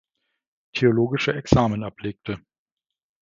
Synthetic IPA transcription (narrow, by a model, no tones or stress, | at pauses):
tʰeoloːɡɪʃəɛksaːmənapleːk̚tʰə